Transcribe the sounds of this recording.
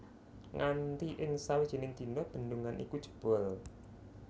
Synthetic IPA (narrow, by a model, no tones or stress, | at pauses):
ŋant̪iʔɪŋsawid̥ʒ̥i̤nɪŋd̪̥i̤ndɔb̥ə̤nduŋanʔḭkud̥ʒ̥ə̤̥b̥ɔ̤l